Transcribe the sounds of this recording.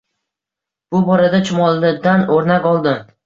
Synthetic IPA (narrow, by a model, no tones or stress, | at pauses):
b̥ʊbɒɾad̪at͡ʃʰʊmɒlˠɪd̪anoɾnakʲɒlˠd̪ɪm